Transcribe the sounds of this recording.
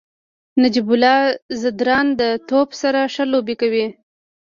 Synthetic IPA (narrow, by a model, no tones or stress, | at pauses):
nad͡ʒibʊlɑzad̪ɾɑnd̪ət̪opsaɾaʂəlobikawi